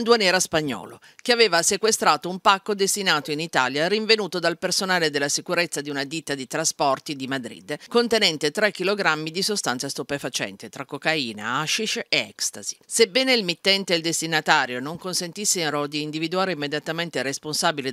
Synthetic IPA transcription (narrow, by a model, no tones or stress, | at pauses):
nd̪uanɛːɾaspaɲːɔ̰ːlo | keaveːvasekwest̪ɾaːt̪oumpakːod̪est̪inaːt̪oinit̪a̰ːljaɾiɱvenuːt̪od̪alpersonaːled̪elːasikuɾet̪sːad̪iunad̪it̪ːad̪it̪ɾaspɔrt̪id̪imad̪ɾḭd̪kont̪enɛnt̪et̪ɾɛk̟ːiloɡɾamːid̪isost̪ansast̪upefat͡ʃɛ̰nt̪et̪ɾakːokaiːna̰aʃiʃeɛ̰kst̪a̰zisebːɛːneilmit̪ːɛnt̪eːld̪est̪inat̪aːɾjonoŋkonsent̪isːeɾod̪iːnd̪ivid̪uaːɾeimːed̪jat̪ament̪eresponsaːbile